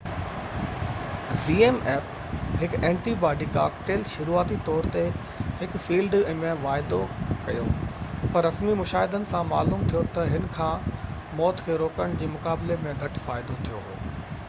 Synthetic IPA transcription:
ziːeːmeːp | ɦɪkẽːɳʈibaːɖika̰ːkʈeːlʃʊɾuːaːt̪it̪ɔːɾt̪e | ɦɪkfiːlɖmẽʋaːɪd̪okɐjopɐɾːɐsmimʊʃaːɦɪd̪ənɪ̆sãma̰ːluːmt̪ʰijot̪ɐɦɪnkʰãː | mɔːt̪kʰeːɾoːkəɽ̃d͡ʑeːmʊkaːblemẽɡʱɐʈʰʊ̥faːɪd̪ot̪ʰijoɦo̰ː

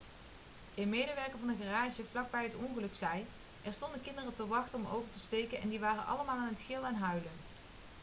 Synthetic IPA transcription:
dɪmejdəʋɛɹkəɹvɑndəχaraːʒəvlɑɡ̚bɛjɦətɔnχəlɵksɛj | ʔɛɹstɔndəkɪndərətəʋɑχtəɔmo̰wvəɹtəstejkənɛ̰ndiʋaːrənʔɑ̰ləmaːlˠaːnɦətxɪlˠɛnɦœɥlən

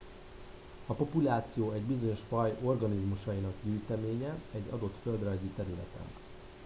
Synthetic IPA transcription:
ɒpo̞pulaːt̪sijoːɛɟbizo̞ɲo̞ʃfɒjo̞rɡɒnizmuʃɒjinɒɡɟyːjt̪ɛmeːɲɛɛɟːɒ̰d̪o̞t̪fø̞ld̪rɒjzit̪ɛɾylɛ̰t̪ɛ̰n

